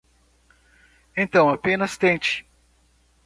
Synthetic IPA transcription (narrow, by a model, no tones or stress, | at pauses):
ẽt̪ɐ̃w̃apẽnɐst̪ẽt͡ʃɪ̥